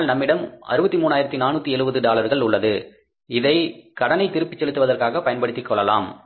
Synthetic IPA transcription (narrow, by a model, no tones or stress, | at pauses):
lnɐmːɪɽɐmɐ̰ɾɯbɐt̪ːimuːnːaːjɪɾɐt̪ːinaːnːuːt̪ːiɛɻɯbɐðɯɖaːlɐɾɣɐɭʊɭːɐðɯ | ɪðɐɪkɐɽɐnɐɪt̪ːɪɾɯpːɪt͡ʃːɛlɯt̪ːɯʋɐðɐrkaːɣɐpːɐjɐnpɐɽɯt̪ːɪkːɔɭːɐla̰ːm